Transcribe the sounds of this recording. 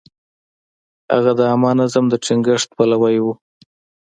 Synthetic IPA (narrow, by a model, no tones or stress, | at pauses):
ha̰ɣad̪əamɑnazamd̪əʈ͡ʂɪŋɡəʂt̪̚palawajwu